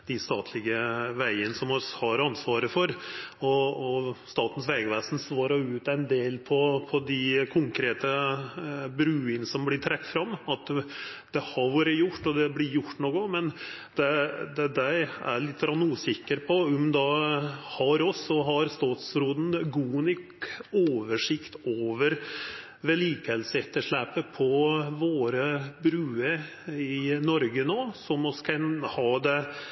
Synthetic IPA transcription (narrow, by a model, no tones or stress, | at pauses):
d̪̥ɪst̪ɑːt̪ʰlɪɡəʋæɪənəsɔmɔshɑɾɑnsʋɑːɾəfɔɾɔɔst̪ɑːt̪n̩sʋɛːɡəʋæːsn̩sʋɑːɾɑʉːt̪æɪnd̪eːlpʰɔpʰɔd̪ɪkʰʊŋkʰɾeːt̪ə | bɾʉːənsɔmblɪʈ̪ʰɾɛk̚t̪fɾɑmːɑt̪d̪̥ɛhɑɾʋuːɾəjʊʈːɔd̪ɛblɪɾjʊʈːnɔkɔmɛn | d̪̥ɛd̪ɛd̪æɪæ̰ɾɭɪt̪ːəɡɾɑnːuːsɪkːəɾpʰɔɔmd̪ɑhɑɾɔsɔɦɑɾst̪ɑːt̪sɾuːd̪n̩ɡuːnʏk | oːʋəʂɪkt̪oːʋəɾ | ʋɛliːkhɛlsəɛt̪ːəʂɭæːpəpʰɔʋoːɾəbɾʉːəɾ | ɪnɔɾɡənoːsɔmɔskʰɑnhɑːd̪ɛ